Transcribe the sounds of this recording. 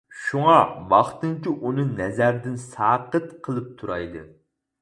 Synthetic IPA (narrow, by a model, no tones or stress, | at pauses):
ʃuŋɑvɑχt̪ɨŋt͡ʃʲiʔunɨnɛzæɾd̪ɪnsɑːqət̪qʰəlˠɨp̚t̪ʰuɾɑjd̪ɨ̰